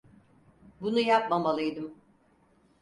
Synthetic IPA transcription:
bunujap̚mamalˠɯjd̪ɯm

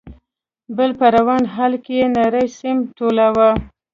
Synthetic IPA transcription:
bəlpəɾawɑnɦɑlkejenaɾəjsɪmʈolawa

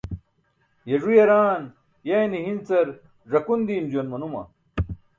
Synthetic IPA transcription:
jɐʐujɐɾaːn | jɐjniɦint͡sɐɾ | ʐɐkund̪iːmd͡ʑuɐnmɐnumɐ̰

